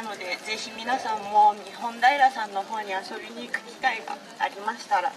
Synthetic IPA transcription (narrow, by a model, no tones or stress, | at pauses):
nano̞d̪e̞ze̞çimʲinasãmːo̞ɲ̟iɦõ̞nd̪aiɾasãnːo̞ɦo̞ːɲ̟iaso̞bʲiɲ̟ikɯ̟mʲik̪aiɡa̰ | aɾʲimaɕi̥t̪aɾa̰